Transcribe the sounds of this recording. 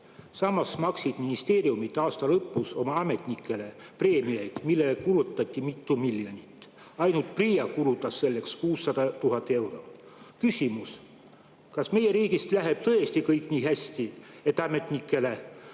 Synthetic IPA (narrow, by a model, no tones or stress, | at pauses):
sɑmːɑsmɑksid̪̥minist̪e̞ːɾiumit̪ːˑɑːst̪ɑlɤpːˑuso̞mɑɑme̞t̪ʲˑnikːˑe̞le̞pre̞ːmiejd̪̥milːe̞lekuɾut̪ːˑɑt̪ʲːˑimit̪ˑːumiljo̞nʲit̪ːˑ | ɑjnult̪̚prijɑkuɾut̪ːˑɑsːe̞lːe̞kskuːsːɑd̪̥ɑt̪uɦɑt̪ːˑe̞wɾo̞kysʲimus | kɑsme̞je̞ɾiːɡ̥ist̪læɦe̞b̥t̪ɤjest̪ikɤjkˑnʲiːɦæsʲt̪ie̞t̪ːˑɑme̞t̪ʲˑnikːˑe̞le̞